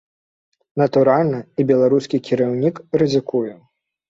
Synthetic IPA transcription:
nɐt̪uɾalʲnɐibʲɛlˠaɾuskʲikʲiɾawnʲikɾɨzɨkujɛ

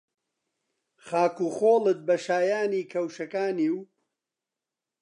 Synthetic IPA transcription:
χaːkuːχoːlɨt̪̚bɐʃaːjaːniːkʰɐwʃɐkaːniːw

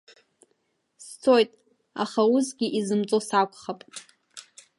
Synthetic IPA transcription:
st͡sʰojtʼ | a̰χauzɡʲiʔizɨmt͡sʼosakʷʰʼχapʼ

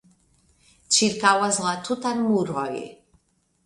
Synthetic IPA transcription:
t͡ʃiɾkawazlat̪ʰut̪anmuɾɔjḛ

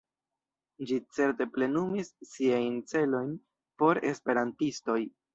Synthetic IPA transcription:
d͡ʒit͡se̞ɾte̞ple̞numisːiajnt͡se̞lo̞jn | po̞ɾe̞̰spe̞ɾantisto̞j

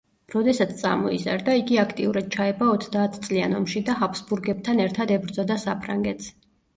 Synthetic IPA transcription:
ɾɔd̪ɛsat̪sʰt̪sʼa̰mɔiza̰ɾd̪aiɡiakʰt̪ʼiuɾad̪̥̚t͡ʃʰaɛbaɔt̪ʰd̪aːt̪ʰt̪sʼlia̰nɔmʃid̪aɦapʰsbuɾɡɛb̚t̪ʰanɛɾt̪ʰad̪ɛbɾd̪zɔd̪asapʰɾa̰ŋɡɛt̪s

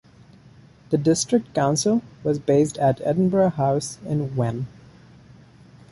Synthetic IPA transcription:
ð̥ɨdɪstɹ̥ɨk̚t̚kãʊ̃nsl̩ˠwʌzbeɪstɨtʰɛ̰dⁿn̩bəɹəhaʊsɪ̃nwɛ̃n

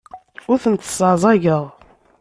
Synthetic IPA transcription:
ʊɾθənt̪ːə̥sˤəʕzˤɑʝəʁˤ

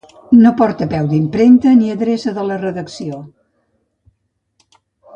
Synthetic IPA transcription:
nopɔɾt̪əpɛwd̪impɾent̪əniəðɾesəðələrəðəksio

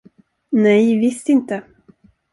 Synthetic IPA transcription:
nɛjvɪst̪ɪnt̪ə

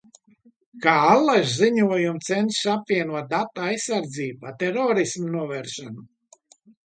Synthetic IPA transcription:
kaːalˠːaʒziɲuɔjumt̪sɛnsʃapvʲiɛnuɔt̪̚d̪at̪aajsːaɾd̪ziːbat̪ɛɾɔːɾismnuɔvɛɾʃanu

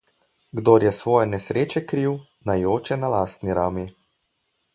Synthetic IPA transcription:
ɡd̪oɾjɛsʋɔːjɛnɛsɾʔeːt͡ʃɛkɾiːw | najoːt͡ʃɛnalaːst̪niɾaːmi

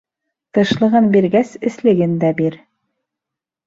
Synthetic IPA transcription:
t̪ɤ̆ʃlˠɤ̆ʁɤnbiɾɡæsɘ̆slɘ̆ɡɘnd̪æbiɾ

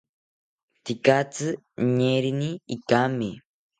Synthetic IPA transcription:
t̪ikat͡sɨ | ɲeɾiniikame

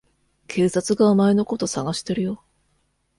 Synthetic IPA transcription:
kʰe̞ːsat͡sɨɡaomaeno̞ko̞t̪o̞saɡaɕi̥t̪e̞ɾɯ̟jo

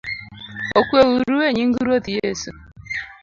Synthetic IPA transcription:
okwewuɾuweɲiŋɡuuɾwotijesu

